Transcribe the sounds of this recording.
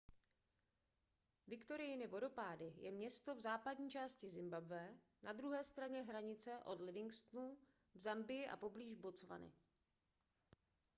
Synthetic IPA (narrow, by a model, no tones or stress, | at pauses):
vɪkt̪o̞ɾɪjɪnɪvo̞do̞paːdɪjɛmɲɛst̪o̞vzaːpadɲiːt͡ʃaːscɪzɪmbabvɛː | nad̪ɾuɦɛːst̪ɾaɲɛɦɾaɲɪt͡sɛʔo̞dlɪvɪŋkst̪nu | vzambɪjɪʔa̰po̞bliːʒbo̞t͡sva̰nɪ̰